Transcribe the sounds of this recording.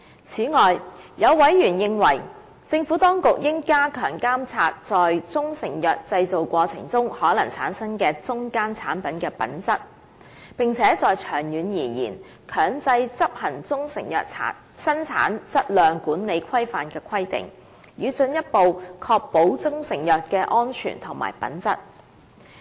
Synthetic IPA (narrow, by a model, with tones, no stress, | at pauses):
t͡sʰiː˨˥ŋɔː˨jjɐ˨˧wwɐ˨˥jɥyː˨˩njɪ˧ŋwɐ̰˨˩j | t͡sɪ˧ŋfuː˨˥t̪ɔː˥ŋkʊ˨k̚jɪ˥ŋkaː˥kʰœ̰ː˨˩ŋkaː˥mt͡sʰaː˧t̚t͡sɔː˨jt͡sʊ˥ŋsɪ˨˩ŋjœː˨k̚t͡sɐ˧jt͡so˨wkʷɔː˧t͡sʰɪ̰˨˩ŋt͡sʊ˥ŋhɔː˨˥lɐ˨˩ŋt͡sʰa̰ː˨˥nsɐ˥nkɛː˧t͡sʊ˥ŋkaː˥nt͡sʰa̰ː˨˥npɐ˨˥nkɛː˧pɐ̰˨˥nt͡sɐ˥t̚ | pɪ˨ŋt͡sʰɛː˨˥t͡sɔː˨jt͡ʃʰœː˨˩ŋjyː˨njiː˨˩jḭː˨˩n | kʰœː˨˩ŋt͡sɐ˧jt͡sɐ˥p̚hɐ˨˩nt͡sʊ˥ŋsɪ̰˨˩ŋjœ̰ː˨k̚t͡sʰa̰ː˨˥ | sɐ˥nt͡sʰa̰ː˨˥nt͡sɐ˥t̚lœː˨ŋkuː˨˥nne˨˧jkʷʰɐ˥jfaː˨nkɛː˧kʷʰɐ˥jt̪ɪ̰˨˩ŋ | jyː˨˧t͡sɵ˧njɐ˥t̚po˨wkʰɔː˧k̚po˨˥wt͡sʊ˥ŋsɪ˨˩ŋjœː˨t̚kɛː˧ʔɔː˥nt͡ʃʰy̰ː˨˩nt̪ʰʊ˨˩ŋma̰ː˨˩jpɐ̰˨˥nt͡sɐ˥t̚